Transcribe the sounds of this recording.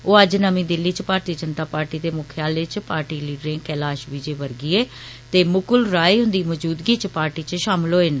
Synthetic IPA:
oːəd͡ʒnəmĩːd̪ɪlːiːt͡ʃpaːɾt̪ijəd͡ʒənt̪aːpaːɾʈiːd̪eːmʊkʰjaːleːt͡ʃpaːɾʈiːliːɖɾɪ̃ːɡkɛːlaːʃʋiːd͡ʒeːʋəɾɡiːeː | t̪eːmʊkʊlɾaːiːɦʊnd̪iːmɔd͡ʒuːd̪ɡiːt͡ʃpaːɾʈiːt͡ʃʃaːmloːeːn

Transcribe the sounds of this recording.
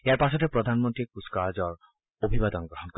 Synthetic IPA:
eaɾpaʃɔt̪ʰepɾod̪ʱanmont̪ɾikuskad͡ʒɔɾ | obʱibad̪ɔnɡɾɔɦɔnk

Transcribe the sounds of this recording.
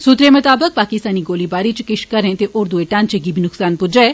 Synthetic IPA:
sut̪ɾemɐt̪aːbək̚paːkɪst̪aːniɡoːlibaːɾit͡ʃkɪʃkɐɾẽt̪eʔoːɾd̪ueʈãːnt͡ʃeɡiːbʱinʊksaːnpʊd͡ʒɛ

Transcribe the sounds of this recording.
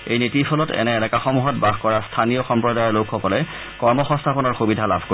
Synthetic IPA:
ejnitipʰɔlɔtɛ̰nɛːnɛkaxɔmuɦɔt̚baɡkɔɹastʰanijɔxɔmpɹɔdajɔlokʰːɔkɔlɛ | kɔɹmɔxɔ̃nstʰapɔnɔɹxubidʱala̰bʱko

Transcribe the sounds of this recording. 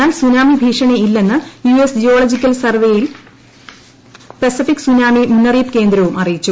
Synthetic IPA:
aːlsunaːmibʱiːʂɐɳeilːe̞nːɨjuesd͡ʑio̞ːlod͡ʑikʲːɐlsɐrʋejil | pesifikːsunaːmimunːɐriːp̚ke̞ːnd̪ɾɐʋumɐrijit͡ɕːu

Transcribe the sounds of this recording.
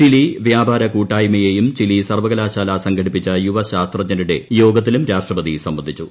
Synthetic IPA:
t͡ɕiliʋjaːbʱaːɾɐkuːʈːaːjmɐjejumt͡ɕilisɐrʋɐɣɐlaːɕaːlɐsɐŋɡʰʱɐɽipːit͡ɕːɐjuʋɐɕaːst̪rɐd͡ʑɐɾuɽe̞jo̞ːɡɐt̪̬ːilumɾaːʂʈrɐpɐd̪isɐmbɐnd̪ʱit͡ɕːu

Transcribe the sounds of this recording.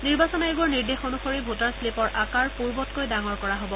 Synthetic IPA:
niɹbasɔnaeɡuɔɹniɹdexɔnuxoɹibʱotaɹslepɔɹʔakaɹpuɹbɔtkojdaŋɔɹkɔɹaɦobɔ

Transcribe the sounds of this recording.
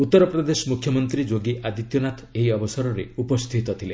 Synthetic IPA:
ut̪ːɔɾɔpɾɔd̪esɔmukʰjɔmɔnt̪ɾid͡ʒoɡiʔad̪it̪jɔnat̪ʰeɦiɔbɔsɔɾɔɾeupɔst̪ʰit̪ɔt̪ʰile

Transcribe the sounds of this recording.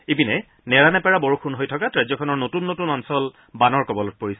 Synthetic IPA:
ebinɛ | nɛɹanɛpɛɹaboɹukʰunɦojtʰɔkatɹajzɔkʰɔnɔɹnotunːotunɔnsɔl | banɔɹkɔbɔlɔt̚poɹisɛ

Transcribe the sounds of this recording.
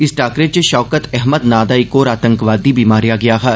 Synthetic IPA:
ɪsʈaːkɾet͡ʃeʃɔːkət̪ɛɦməd̪naːd̪aːikoːɾaːt̪ə̃ŋkʋaːd̪ibiːmaːɾijaɡɐjaɦɛː

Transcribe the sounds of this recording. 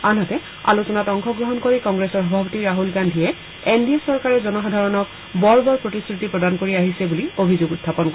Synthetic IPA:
anɦɔtɛ | a̰lusɔnatɔŋxʰɔɡɹɔɦɔnkoɹikɔŋɡɹesɔɹɔbʱapɔtiɹaɦulɡandʱiɛ | endiasɔɹkaɹɛzɔnɔxɔdʱaɹɔnɔk̚ | bɔɹbɔɹpɹotiskɹitipɹɔdankoɹiaɦisɛbuliobʱizoɡutʰːapɔnkɔ

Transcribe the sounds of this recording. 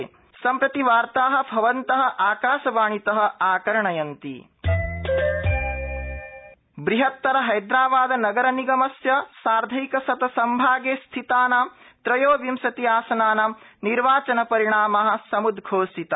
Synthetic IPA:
sɐmpɾɐt̪iʋaːɾt̪aːɦɐ̆bʱɐʋɐnt̪ɐɦɐʔaːkaːʃɐʋaːɳit̪ɐɦɐ̆aːkɐɾɐɳɐjɐnt̪ḭ | bɾiɦɐt̪ːɐɾɐɦɐjd̪ɾaːbaːd̪ɐnɐɡɐɾɐniɡɐmɐsjɐsaːɾd̪ʱɐjkɐsɐt̪ɐsɐmbʱaːɡeːst̪ʰit̪aːna | t̪ɾɐjoːʋjimsɐt̪iaːsɐnaːnɐmniɾʋaːt͡ʃɐnɐpɐɾiɳaːmaɦɐ̆sɐmud̪ɡʱoːsit̪ɐ

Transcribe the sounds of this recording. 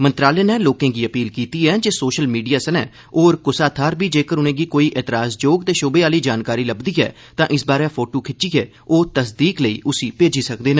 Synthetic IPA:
mənt̪ɾaːleːnɛːloːkẽːɡiːəpiːlkiːt̪iːɛːd͡ʒeːsoːʃəlmiːɖijaːsənɛ̰ː | oːɾkʊsaːt̪ʰaːɾbiːd͡ʒeːkəɾʊnẽːɡiːkoːiːʔeːt̪ɾaːsd͡ʒoːɡt̪eːʃʊbeːaːliːd͡ʒaːnkaːɾiːləbd̪iːɛ̰ː | t̪ãːʔɪsbaːɾɛːpʰoːʈoːkʰɪt͡ʃːiːɛː | oːt̪əsd̪iːkləḭːʔʊsiːpeːd͡ʒiːsəkd̪eːnãː

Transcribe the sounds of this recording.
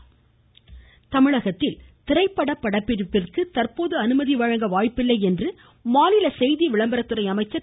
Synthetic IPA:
t̪ɐmɪɻɐɣɐt̪ːɪlt̪ɪrɐɪpːɐɽɐpːɐɽɐpːɪɾɯpːɪrkɯt̪ɐrpoːðɯɐnɯmɐðiʋɐɻɐŋɡɐʋaːjpːɪlːɐɪɛndrɯ | maːnɪlɐsɛjðiʋɪɭɐmbɐɾɐt̪ːɯɾɐɪɐmɐɪt͡ʃːɐ

